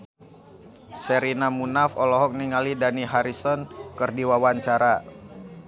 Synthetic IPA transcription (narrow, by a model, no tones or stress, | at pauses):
sɛɾinamunafɔlɔɦɔk̚niŋalidaniɦaɾisɔnkɨrdiwawaɲt͡ʃaɾa